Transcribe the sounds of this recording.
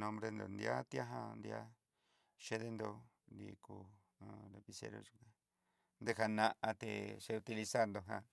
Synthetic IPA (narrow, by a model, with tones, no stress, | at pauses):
nõ˧mbɾe˧nd̪o̰˨nd̪i˧a˦t̪ja˦ɦã˧nd̪i˧˦a˦ | ʃe˦ðe˧nd̪o˧ | d̪i˧ku˧˨ | le˧pi˧sḛ˧ɾo̰˧ʒu˧ka˧ | nd̪e˧ha˧nã˧ʔa˧t̪ḛ˧˨ʃe˧u˧t̪i˧li˧sa˦nd̪o˧ɦã˧